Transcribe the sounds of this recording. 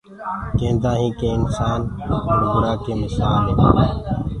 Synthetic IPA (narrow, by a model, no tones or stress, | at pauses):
kẽːnd̪ãːɦĩːkẽːɪnsaːnoɾɡʊɽaːkeːmɪsaːlɦeː